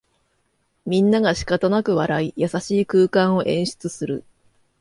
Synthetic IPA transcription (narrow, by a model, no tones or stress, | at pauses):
mʲĩnːaɡaɕi̥kat̪anakɯ̟βaɾaijasaɕiːkɯːkãɰ̃o̞ʔẽ̞ɰ̃ɕi̥t͡sɨsɨɾɯ̟